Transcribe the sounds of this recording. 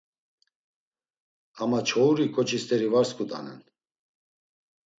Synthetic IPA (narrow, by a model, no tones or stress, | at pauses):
amat͡ʃʰɔuɾikʰʼɔt͡ʃʰʼist̪ʰʼɛɾivaɾskud̪ʼa̰nɛ̰n